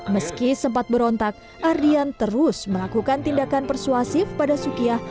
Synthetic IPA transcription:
məskisəmpat̪̚bəɾɔnt̪ak̚ | ʔardiant̪əɾʊsməlakukant̪indakanpərsuasɪfpadasukiah

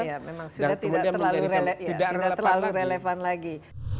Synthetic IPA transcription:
jamemaŋsudaht̪imuadt̪əlaluɾelejidaidat̪ərlaluɾelefanlaɡi

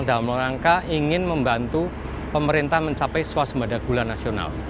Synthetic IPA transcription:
ŋd̪aamloɾaŋkaʔiŋɪnməmbant̪u | pəməɾint̪ahməɲt͡ʃapɛjsuwasəmbadaɡ̥ulanasiona̰l

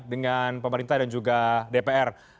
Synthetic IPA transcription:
dəŋanpəməɾint̪ahdand͡ʒuɡadepeɛr

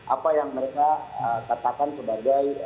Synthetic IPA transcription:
ʔa̰pajaŋməɾekaəkat̪akansəbaɡaj

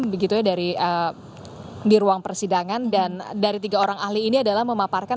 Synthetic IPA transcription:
bəɡit̪ujadaɾiʔə | diɾuaŋpərsidaŋandandaɾit̪iɡaoɾaŋahliːniadalahməmaparka

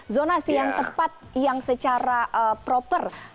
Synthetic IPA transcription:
zonasijaŋt̪əpat̪̚jaŋsət͡ʃaɾaʔəpɾopər

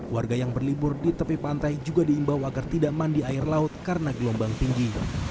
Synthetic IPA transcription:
warɡajaŋbərlibʊrdit̪əpipant̪ajd͡ʒuɡadiːmbawaɡart̪idaʔmandiaɪrlaʊt̪̚kaɾənaɡəlɔmbaŋt̪iŋɡi

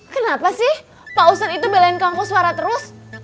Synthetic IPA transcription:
kənapasɪh | pausat̪it̪ubelaɪnkaŋpɔsuaɾat̪əɾʊs

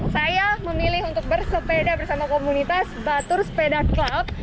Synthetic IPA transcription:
sajaməmilɪɦunt̪ʊk̚bərsəpedabərsat̪ukomunit̪asbat̪ʊrsə̥pedaklap̚

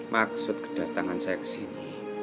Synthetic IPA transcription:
mʔaksʊt̪̚kə̥ɖ̥ä̤t̪aŋansajakə̥sini

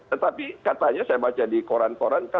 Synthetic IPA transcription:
t̪ət̪apikat̪aɲasajabat͡ʃadikoɾankoɾanka

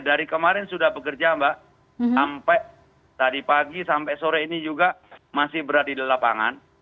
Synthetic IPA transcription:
daɾikəmaɾɛnsudahbəkərd͡ʒaːmba | ampɛʔ | t̪adipaɡisampɛʔsoɾɛinid͡ʒuɡamasɪhbəɾadidalapa̰ŋa̰n

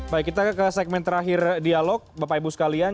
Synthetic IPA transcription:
bajkit̪akəsɛk̚mɛnt̪əɾaɦɪrdialɔk̚bapaibusə̥kalian

